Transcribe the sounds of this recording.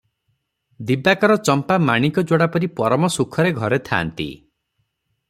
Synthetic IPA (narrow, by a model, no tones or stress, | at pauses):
d̪ibakɔɾɔt͡ʃɔmpamaɽ̃ikɔd͡ʒoɽapɔɾipɔɾɔmɔsukʰɔɾeɡʱɔɾet̪ʰa̰ːnt̪ḭ